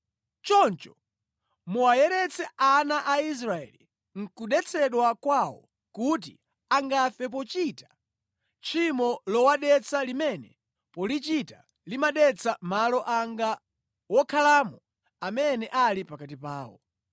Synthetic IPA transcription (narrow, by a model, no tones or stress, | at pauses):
t͡ʃɔnt͡ʃɔ̥ | muajɛɾɛt͡sɛanaʔais̬ɾaɛ̰li | ŋ̩kuɗɛt͡sʰɛɗwakwawɔ̰ | kut̬ḭ | aŋɡafɛp̬ɔt͡ʃitḁ | t͡ʃʰimɔlɔwaɗɛt͡sʰalimɛnɛ | pɔlit͡ʃita | limaɗɛt͡sʰamalɔʔaŋɡa | wɔkʰalaːmɔ | amɛnɛʔalipakatipaːwɔ̰